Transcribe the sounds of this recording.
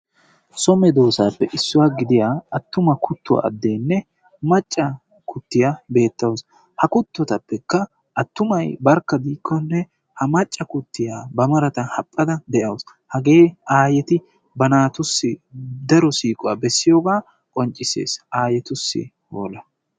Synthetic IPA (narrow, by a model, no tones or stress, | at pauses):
sɔmɛd̪oːsaːpːɛʔɪsːʊwaːɡɪd̪ɪjaːɐt̪ːʊmɐkʰʊt̪ːʊ̰ɐ̰d̪ːe̞ːnːɛ | mɐt͡ʃʼːɐ | kʰʊt̪ːɪjabe̞ːt̪ːɐws | hɐkʊt̪ːɔt̪ɐpːɛkːɐ | ʔɐt̪ːʊmɐjbɐɾkːɐd̪iːkʰːɔnːɛ | hɐmɐt͡ʃʼːɐkʊt̪ːɪjaːbɐmɐɾɐt̪ɐhɐpʼːɐd̪ɐd̪ɛʔɐws | hɐɡe̞ːaːjɛt̪ɪ | bɐnaːt̪ʊsːɪd̪ɐɾɔsiːkʼʊwaːbɛsːɪjoːɡaː | kʼɔnt͡ʃʼːɪsḛːsaːjɛt̪ʊsːɪ̰ | hoːlɐ